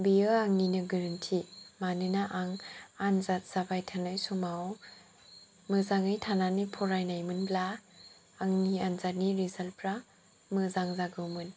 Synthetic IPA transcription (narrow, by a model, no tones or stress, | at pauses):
biɯaŋninɯɡɯɾɯntʰimanɯnaʔaŋanzat̚z̥abajtʰanɯjsɔmaw | mɯzaŋɯjtʰananipʰɔɾajnajmɯnblaː | ŋnianzat̚niɾizalpʰɾa | mɯzaŋzaɡɯwmɯn